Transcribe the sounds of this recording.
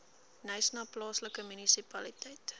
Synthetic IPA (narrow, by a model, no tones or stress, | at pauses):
nœjsnɑːplɑːsləkəmynisipɐlitɛjt